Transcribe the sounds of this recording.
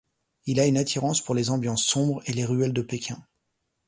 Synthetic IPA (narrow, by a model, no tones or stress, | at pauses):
ilaynat̪ʰiʁɑ̃spuʁlezɑ̃bjɑ̃sːɔ̃bʁeleʁyɛld̪əpekʲɛ̃